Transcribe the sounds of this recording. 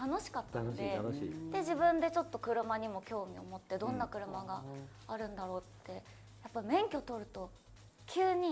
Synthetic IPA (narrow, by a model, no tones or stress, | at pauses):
t̪ano̞ɕi̥kat̪ːe̞d̪e̞ʑibɯ̟̃nd̪e̞t͡ɕo̞t̪ːo̞kɯ̟ɾɯ̟maɲ̟imo̞kʲo̞ːmʲio̞mo̞t̪ːe̞d̪õ̞nːakɯ̟ɾɯ̟maɡa | aɾɯ̟̃nd̪aɾo̞ːt̪ːe̞ | japːaimẽ̞ŋkʲo̞t̪o̞ɾɯ̟t̪o̞ | kʲɨːɲ̟i